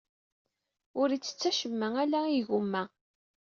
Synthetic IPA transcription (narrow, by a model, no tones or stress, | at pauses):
ʊɾit͡sːə̥t͡sːæʃəmːæælæiʝumːæ